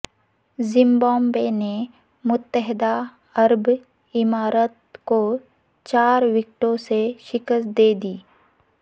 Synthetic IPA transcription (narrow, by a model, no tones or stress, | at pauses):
zɪ̃mbɔ̃ːmbene | mʊt̪ːəɦɪd̪a | ɐɾb | ɪmaːɾət̪̚ko | t͡ʃaːɾʋɪk̚ʈõseʃɪkəsd̪eːd̪iː